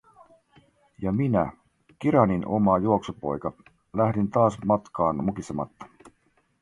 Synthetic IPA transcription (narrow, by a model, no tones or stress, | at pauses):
jɑminæ̰ | kiɾɑninomɑjuoksopo̞̰jkɑ | læhdint̪ɑːsmɑt̪kɑːnmukisemɑ̰t̪ːɑ̥